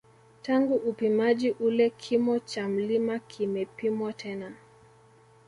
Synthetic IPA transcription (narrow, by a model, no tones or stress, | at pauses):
taŋɡuʔupimad͡ʒiʔulɛkʰimɔt͡ʃam̩limakʰimɛpimwatʰɛna